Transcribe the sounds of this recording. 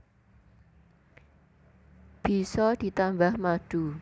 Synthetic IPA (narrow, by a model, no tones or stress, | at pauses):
b̥i̤sɔd̪̥i̤t̪ambahmaɖ̥u